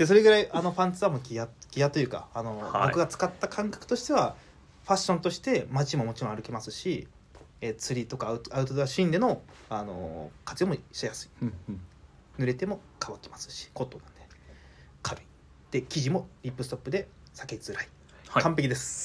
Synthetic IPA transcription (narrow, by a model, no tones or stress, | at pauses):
d̪̥e̞s̬o̞ɾe̞ɡɯɾaiʔano̞ɸãnt͡sɨamokʲijaɡʲijat̪o̞jɯ̟ːka̰ːno̞bkɯ̟ɡat͡sɨ̥kat̪ːakʰãŋkḁkɯ̟̥t̪o̞ɕi̥t̪e̞βa | ɸaɕːõ̞nt̪o̞ɕi̥t̪e̞mat͡ɕimo̞mo̞t͡ɕiɾõ̞aɾɯ̟kemasɨ̥ɕi | et͡sɨɾʲit̪o̞kaɯaɯ̟t̪o̞d̪eaɕĩnd̪e̞no̞ano̞̰kat͡sɨomoɕajasɨ̥i̥ | nɯ̟ɾe̞t̪e̞mo̞kʰaβat̪ːemasɨ̥ɕi̥ko̞t̪ːo̞nãnd̪e | kʰaɾɯ̟i̥ | d̪̥e̞kʲiʑimo̞ɾʲipːɯ̟sɨ̥t̪o̞pːɯ̟d̪e̞ | sakez̥ɨɾai̥ | kãmp̬e̞kʲid̪e̞sɨ̥